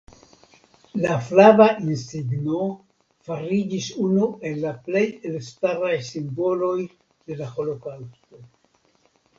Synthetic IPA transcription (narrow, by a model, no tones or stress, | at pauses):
laflavaʔinsiɡno̞ | faɾid͡ʒisunue̞lːaple̞jelstaɾajsimbo̞lo̞j | de̞laho̞lo̞kawsto̞